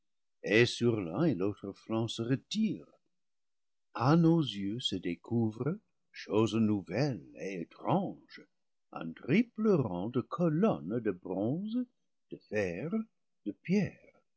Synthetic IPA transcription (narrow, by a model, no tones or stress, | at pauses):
esyʁlɛ̃elot̪χəflɑ̃səʁətiːʁ | anozjøsədekʰuvʁə | ʃoznuvɛlḛetχɑ̃ʒ̥ | ə̰̃tʁipləʁɑ̃d̪əkʰɔlɔndəbʁɔ̃z | d̪̥əfɛʁ | d̥əpjɛːʁ